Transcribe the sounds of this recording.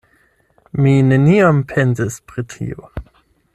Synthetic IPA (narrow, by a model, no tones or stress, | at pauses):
mine̞niampʰenzispɾitʰḭo̰